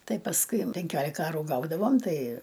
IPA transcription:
ˈtɐɪ pɐsˈkʊɪ pʲɛŋʲˈkʲoːlʲɪkɐ ˈɑːruː ˈɡɐʊdɐʋoːm ˈtɐɪ

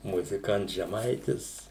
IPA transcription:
mʊzʲɪˈkɐnts ʒʲɛˈmɐɪtʲɪs

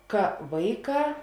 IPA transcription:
ˈkɐ ˈʋɐɪˌkɑː

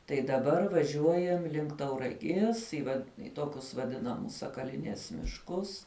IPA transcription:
tɐɪ dɐˈbɐr ʋɐˈʒʲuɔjɛm lʲɪŋk tɐʊrɐˈɡʲiɛs ɪ ʋɐt ɪ ˈtoːkʲʊs ʋɐˈdʲɪnɐmʊs sɐkɐˈlʲɪnʲiɛs mʲɪʃˈkʊs

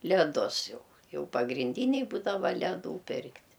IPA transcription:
lʲɛˈdʊs ˈjɛʊ ˈjɛʊ pɐɡrʲɪnʲˈdʲiːnʲɛɪ ˈbuːdɐʋɐ lʲɛˈduː ˈpʲɪrktʲ

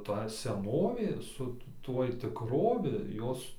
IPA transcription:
tɐ sʲɛˈnoːʋʲeː sʊ ˈtuɔj tʲɪkˈroːʋʲɪ ˈjoːs

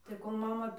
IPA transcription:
tɐɪ ˈkoːlˠ ˈmɑːmɐ

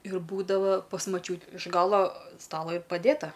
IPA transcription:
ɪr ˈbuːdɐʋɐ pɐs mɐˈt͡ʃʲuː ɪʃ ˈɡɑːlˠoː ˈstɑːlˠoː ɪr pɐˈdʲeːtɐ

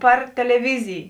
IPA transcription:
ˈpɐr tʲɛlʲɛˈʋʲɪzʲɪj

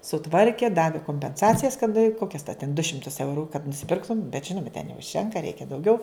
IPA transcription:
sʊˈtʋɐrʲkʲeː ˈdɑːʋʲɪ koːmʲpʲɛnˈsɑːt͡sʲɪjɛs kɐt ˈkoːkʲɛs tʲɛn dʊ ˈʃʲɪmtʊs ˈɛʊrʊ kɐt nʊsʲɪˈpʲɪrktʊm bʲɛt ˈʒʲɪnʊmɐ tʲɛn nʲɛʊʃʲˈtʲɛŋkɐ ˈrʲɛɪkʲɛ dɐʊˈɡʲɛʊ

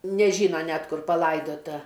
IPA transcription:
nʲɛˈʒʲiːnɐ ˈnʲɛt ˈkʊr pɐˈlˠɐɪdoːtɐ

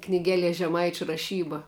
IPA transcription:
knʲɪˈɡʲæːˌlʲiɛ ʒʲɛˈmɐɪt͡ʃʲʊ rɐˈʃʲiːbɐ

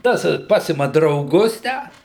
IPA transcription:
ˈtɐs ˈpɑːsʲɪmɐ drɐʊˈɡʊs ˈtʲæː

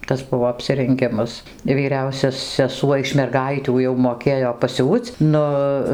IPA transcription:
ˈtɐs ˈbʊʋoː ɐpʲsʲɪrʲɛŋʲˈɡʲɪmɐs ʋʲiːˈrʲɛʊsʲɛ sʲɛˈsuɔ ɪʃ mʲɛrˈɡɐɪtʲuː jɛʊ moːˈkʲeːjoː pɐˈsʲuːt͡s ˈnʊ

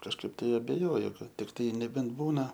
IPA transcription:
kɐʃˈkɐɪp ˈtɐɪ ɐbʲɛˈjoːjʊ ˈkɐt tʲɪkˈtɐɪ nʲɛˈbʲɛnt ˈbuːnɐ

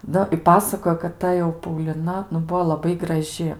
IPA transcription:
ˈnʊ ɪ ˈpɑːsɐkoːjoː kɐt ˈtɐ jɛʊ pɐʊlʲɪˈnɐ nʊ ˈbuɔ lˠɐˈbɐɪ ɡrɐˈʒʲɪ

